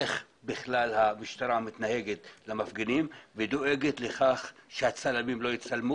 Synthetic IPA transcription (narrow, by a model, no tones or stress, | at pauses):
eχ | biχlalhamiʃt̪aɾamit̪nahe̞ɡet̪lamafɡenimved̪o̞ʔe̞ɡet̪le̞χaχʃehat͡salamimlo̞jit͡salmu